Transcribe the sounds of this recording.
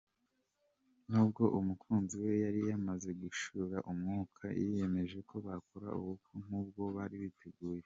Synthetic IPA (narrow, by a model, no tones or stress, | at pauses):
n̥uːbɡo̞ʔumukʰuːnziwe̞jaɾijamaze̞ɡuʃuɾaʔumŋuːkʰa̰jḭje̞me̞ʒe̞kʰo̞βakʰoɾa̰ṵβukʰuŋ̥uːb̚ɡo̞βaːɾiβitʰeɡuːje̞